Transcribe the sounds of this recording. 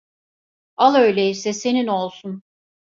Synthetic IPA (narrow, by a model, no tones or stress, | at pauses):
alˠø̞jlʲeisɛse̞nino̞lˠsun